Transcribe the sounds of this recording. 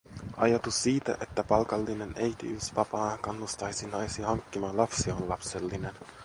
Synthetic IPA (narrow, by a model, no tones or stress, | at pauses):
ʔɑ̰jɑt̪usːiːt̪æ̰ʔe̞t̪ːæpɑlkɑlːine̞ne̞jt̪ḭyspɑpɑːkɑnːust̪ɑjsinɑjsihɑŋkːimɑːnlɑpsionlɑpse̞lːine̞n